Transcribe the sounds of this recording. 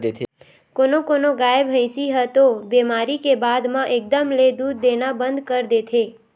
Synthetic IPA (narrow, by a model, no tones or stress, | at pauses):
d̪et̪ʰ | konokonoɡaebɦə̃ɪ̃siɦət̪obemaɾikebad̪mãʔek̚d̪əmled̪ud̪̚ːenabə̃nd̪kəɾd̪et̪ʰe